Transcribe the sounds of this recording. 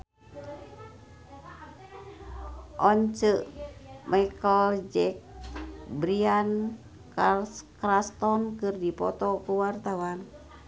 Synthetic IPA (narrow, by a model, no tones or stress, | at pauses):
ʔɔɲt͡ʃəʔmʔajkɔld͡ʒɛk̚bɾian | kalskrast̪ɔnkɨrdipɔ̰t̪ɔkuwart̪awan